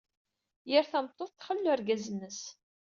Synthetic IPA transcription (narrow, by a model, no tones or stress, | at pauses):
jəɾθæmt̪ˤːoθθχəlːuæɾɡæzənːəs